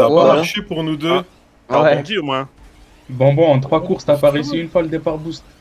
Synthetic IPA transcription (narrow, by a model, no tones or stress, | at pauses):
aaamaʁʃepuʁnud̪ø̃ | ɔ̃d̪iomwɛ̃ | bɑɔ̃bɔ̃ɑ̃t̪χwakuʁst̪apaʁesiynfwaləd̪epaʁbust̪